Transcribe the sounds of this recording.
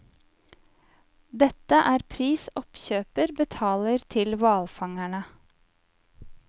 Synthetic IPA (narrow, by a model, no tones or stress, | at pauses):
d̪ɛt̪əʔæːɾpʰɾiːsɔpçøːpəɾbət̪ʰɑːləɾt̪ʰɪlʋɑːlfɑŋæɳə